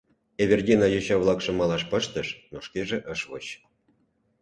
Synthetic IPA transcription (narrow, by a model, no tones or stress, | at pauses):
eβʲerdʲinɑjoɕɑvlˠɑkʂɤ̆mɑlɑʃpɤ̆ʃt̪ə̆ʃnoʂkeʒĕʔəʃvo̰ɕ